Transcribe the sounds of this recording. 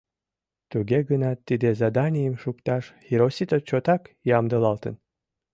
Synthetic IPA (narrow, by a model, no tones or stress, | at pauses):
t̪uɡʲeɡənɑt̪ːid̪ezɑd̪ɑnʲijəmʃukt̪ɑʃxiɾosʲit̪ot͡ɕot̪ɑkjɑmd̪əlˠɑlˠt̪ə̰n